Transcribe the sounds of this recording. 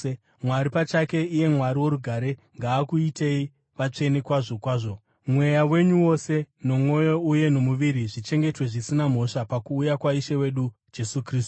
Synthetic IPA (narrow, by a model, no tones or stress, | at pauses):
mwaɾipat͡ʃake̞ije̞mwaɾiwo̞ɾuɡʱaɾe̞ŋɡaːkuite̞i | ʋat͡ʂe̞ne̞kwaʐo̞kwaːʐo̞ | mwe̞jawe̞ɲuwo̞se̞no̞mwo̞jo̞uje̞no̞muʋiɾiʐit͡ʃe̞ŋɡe̞twe̞ʐisinam̤o̞ʂapakuːjakwaiʃewe̞ɗu | d͡ʒe̞sukriːstu̥